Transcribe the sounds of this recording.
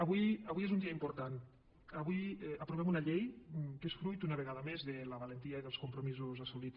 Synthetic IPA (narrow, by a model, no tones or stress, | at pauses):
ɐβujɐβujezund̪iɐimpuɾt̪an | ɐβujəpɾuβɛmunɐʎejkesfɾujt̪unəβ̞eɣaðəmezðeləβalent̪iaiðelˠskumpɾumizuzasuli